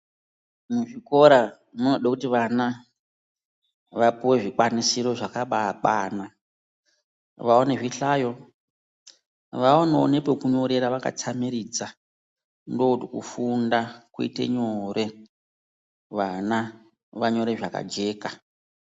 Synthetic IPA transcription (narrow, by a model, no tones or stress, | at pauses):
muʐiko̞ɾa | nonoɗakutiʋana | ʋapuwe̞ʐikwanisiɾo̞ʐakaɓaɓaːna | ʋaoneʐiɬaːjo̞ | ʋaonoo̰nepekuɲo̞ɾe̞ɾaʋaka̰t͡samiɾid͡za | ndoutikṵfundakuḭte̞̰ɲore̞ | ʋana | ʋaɲo̞ɾe̞ʐaka̰d͡ʒe̞ːka